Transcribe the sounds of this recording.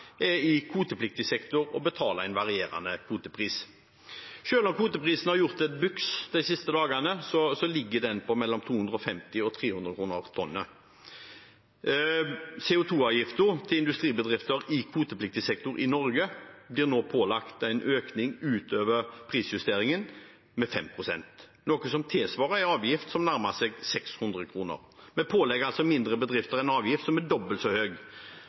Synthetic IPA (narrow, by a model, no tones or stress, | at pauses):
ɛɪkʰuːt̪əplɪk̚t̪ɪsɛkt̪ʊɾɔbət̪ʰɑːləæɪnʋɑʁɪeːɾɑ̰nəkʰuːt̪əpʰʁiːs | ʃøːlɔmkʰuːt̪əpʁiːsənhɑʁjʊʁt̪ɛt̪̚bʉksd̪æɪsɪst̪əd̪ɑːɡɑnəsɔsɔlɪɡːəd̪ɛnpʰɔmɛlːɔmt̪ʰuːhʉnd̪ʁəɔfɛmt̪ɪɔt̪ʰʁeːhʉnd̪ʁəkʰʁuːnəʁt̪ʰɔnːə | sɛːʊt̪ʰuːɑːʋjɪft̪əʁt̪ʰɪlɪnd̪ʉst̪ʁiːbəd̪ʁɪft̪əɾɪkʰʋuːt̪əplɪk̚t̪əsɛk̚t̪ʊɾʔɪnɔɾɡəbliːʁɾnoːpʰoːlɑkt̪æɪnʔøːknɪŋʉːt̪ʰøːʋəʁpʰʁiːsjʉst̪eːɾɪŋən | mɛfɛmpʰʁʊsɛ̰nt̪ | nɔkəsɔmt̪ʰɪlsʋɑːʁəæɑːʋjɪft̪sɔmnæɾmɑsɛːɡsɛkshʉnd̪ɾəkʰɾuːnə̰ʁmɛnpʰoːlɛɡɑlsɔmɪnd̪ɾəbəd̪ʁɪft̪əʁɛnɑːʋjɪft̪sɔmæɖɔbəlt̪sɔhøːɡ